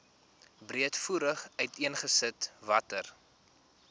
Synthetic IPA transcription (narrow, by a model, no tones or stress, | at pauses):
briətfuɾəχœɥtiənχəsətvɐtər